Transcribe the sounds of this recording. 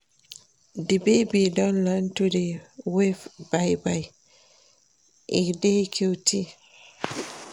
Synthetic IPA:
dibejbidɔnlantudɛwɛfbajbaj | ʔidɛkʰiwti

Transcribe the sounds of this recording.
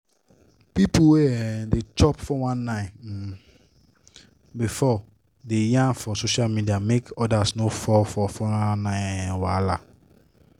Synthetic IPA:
pipuwedet͡ʃɔpfɔwãnːãɪ̃ | bifɔ | dejãnfɔsoʃalmidiamekɔdasnofɔlfɔfɔanãɪ̃wala

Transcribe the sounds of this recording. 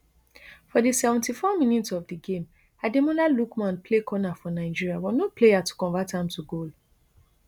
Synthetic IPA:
fɔdisɛvɛ̃ntifɔmĩnitsɔvdiɡẽm | ademɔ̃nalukmãnpʰlekʰɔnafɔnaɪd͡ʒiɹiabɔnoplejatu̥kɔ̃ɱvatãmtuɡol

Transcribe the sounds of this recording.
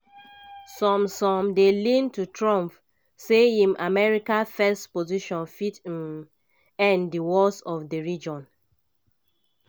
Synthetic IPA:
sɔ̃msɔ̃mdelĩntutʰɹɔ̃mp | sehĩmʔamɛɹikafɛstpoziʃɔ̃nfitm | ɛ̃ndiwɔsɔfdəɹid͡ʒɔ̃n

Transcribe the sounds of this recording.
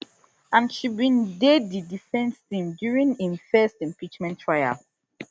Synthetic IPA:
ãnʃibĩndeddidifɛ̃nstĩmdjuɹĩŋĩnfɛstĩmpit͡ʃmɛ̃ntʰːɹaja̰l

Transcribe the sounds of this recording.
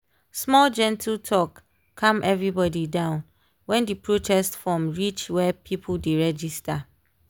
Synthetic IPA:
smɔld͡ʒɛ̃ntʰiltʰɔkʰː | ãmʔɛvɹibɔdidãʊ̃n | wɛ̃ndipɹotʰɛstfɹɔmɹit͡ʃwɛpʰipʰldeɹɛd͡ʒista

